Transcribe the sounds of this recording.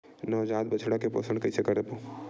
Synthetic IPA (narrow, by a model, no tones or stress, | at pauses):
nɔːd͡ʒaːd̪bɐt͡ʃʰɽakepo̰ːsəɳkɐisʰekɐɾepoː